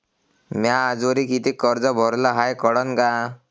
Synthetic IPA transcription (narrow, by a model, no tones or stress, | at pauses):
mjaːd͡zoɾikit̪ʰikɔɾd͡zɔbʱɔɾlɔɦajkɔɽɔnka